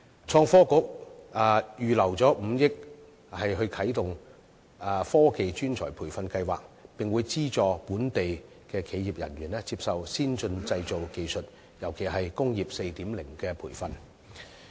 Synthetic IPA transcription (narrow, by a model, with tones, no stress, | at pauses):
t͡ʃʰɔː˧ŋfɔː˥kʊ˨˥k̚ː | jyː˨˩lɐ˨˩wt͡sɔː˨˥m̩˨˧jɪ˥k̚ | hɐ˨jɦɵ˧ɥkʰɐ˨˥jt̪ʊ˨ŋː˨˧ | fɔː˥ke˨jt͡ʃyː˥nt͡sʰɔ̰ː˨˩pʰuː˨˩jfɐ˧nkɐ˧jwaː˨k̚pɪ˨ŋwuː˨˧jt͡siː˥t͡sɔː˨˧puː˨˥nt̪e˨j | kɛː˧kʰe˨˧˥jiː˨p̚jɐ̰˨˩nɥyː˨˩nɛː˥t͡siː˧p̚sɐ˨wsiː˥nt͡ʃɵ˧nt͡sɐ˧jt͡so˨wke˨jsɵ˨t̚ | jɐ˨˩wkʰe˨˩jɦɐ˨jkʊ˥ŋjiː˨p̚se˧jt̪iː˨˥mlɪ˨˩ŋkɛː˧pʰuː˨˩jfɐ˧n